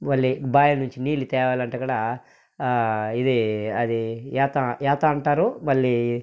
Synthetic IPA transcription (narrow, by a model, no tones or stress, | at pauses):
mɐɭːibaːjɐnuɲt͡ʃiniːlit̪ɛːʋaːlɐɳʈɐkɐɽa | id̪iɐd̪iɛːt̪ɐɛːt̪ɐɐɳʈaːɾumɐɭːi